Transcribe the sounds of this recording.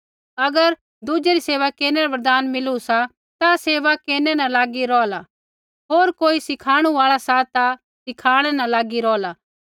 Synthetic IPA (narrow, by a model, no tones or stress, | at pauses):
ɐɡəɾ | d̪ud͡ʒeɾiseːʋakeːneɾabɐɾd̪aːnmɪlusa | t̪aseːʋakeːnɛnɐlaːɡiɾɔːla | ɦoːɾkoːisɪkʰaːɽ̃uaːɭasat̪a | sɪkʰaːɽ̃ɛnãlaːɡiɾɔːla